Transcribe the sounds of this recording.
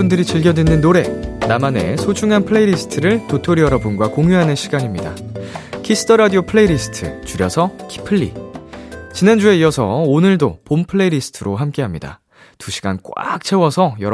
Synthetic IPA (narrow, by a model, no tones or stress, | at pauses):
undɯɾit͡ɕiɭɡjʌdwenːɯnːoɾe̞namane̞̰sʰot͡ɕʰuŋanpʰɯɭe̞iɾisʰɯ̥tʰɯɾɯɭtotʰoɾijʌɾʌbɯnɡwakoŋjuɦanɯnɕʰiɡaɲimɲida̰kʰis͈ʰɯ̥tʰʌɾadiopʰɯɭe̞iɾisʰɯ̥tʰɯ̰t͡ɕuɾjʌ̰sʰʌkʰi̥pʰɯɭːḭ | t͡ɕinand͡ʑue̞ijʌsʰʌ̰onɯɭdopompʰɯɭe̞iɾisʰɯ̥tʰɯɾoɦamk͈e̞ɦamɲida̰ | tuɕʰi̥ɡ̥a̰nk͈wa̰k̚t͡ɕʰe̞wʌsʰʌjʌɾ